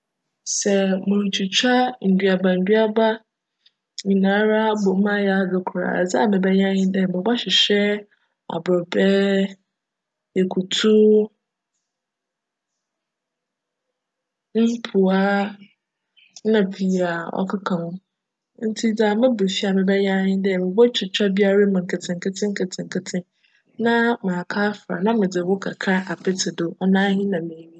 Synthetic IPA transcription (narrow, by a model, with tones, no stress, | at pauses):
sɛ˨mʊ̃˨ɾt͡ɕʰu˨t͡ɕʰᶣa˦n̩˨dɥa˨ba˨n̩˨dɥa˦ba˦ | ɲĩ˨nãː˨˦ɾa˦bo˨˦mã˦jɛ˨a˨dʊ˨kʰʊ˨ɾa̰˨d͡zɪ˦a˨mɪ̃˨bɛ˦ɲ˦ã˦ɲɪ̃˦dɛ˦˨mɪ̃˨ba˦ɕᶣɪ˨ɕᶣɛ˦ | a̰˨bɾɔ˨bɛ˦ | jɛ˨kʰu˨tʰu˦ | m̩˦pʰu˨a˦ | nã˨pʰi˨a˨ɔ̰˦kʰa˦kʰã˨hʊ̃˦ | n̩˦tʰi˦d͡za˨mɪ̃˦be˨fi˦a˨mɪ̃˨bɛ˦jɛ˦a˦hɪ̃˦dɪ˦ɛ˨mɪ̃˨bɔ˦t͡ɕʰᶣɪ˨t͡ɕᶣa˦bi˦a˦ɾa˦mʊ̃˨ŋ̩˨kʰɪ˨tʰɪ̃˨ŋ̩˨kʰɪ˦tʰɪ̃˦ŋ̩˦kʰɪ˨tʰɪ̃˨ŋ̩˨kʰɪ˨tʰɪ̃˦n | nã˦mãː˨kʰaː˦fɾa̰˨nã˦mɪ̃˨d͡zɪ˨wʊ˦kʰa˨kʰa˦ʔa˨pɪ˦tʰɪ˨dʊ˦ɔ˨nãː˦ɦĩ˦nã˨mẽ˨mĩ˦